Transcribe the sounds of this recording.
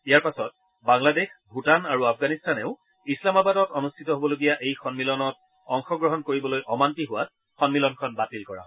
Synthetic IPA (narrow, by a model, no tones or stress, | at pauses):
ijaɹpasɔt̚ | baŋladexbʱutanaɹuapʰɡanistʰanɛʊ | islamabadɔtɔnustʰitɔɦobɔloɡijaʔejxɔnmilɔnɔt̚ | ɔŋxɔɡɹɔɦɔnkoɹibɔlojʔɔmantiɦʊwat̚ | xɔnmilɔnkʰɔnbatilkɔɹa̰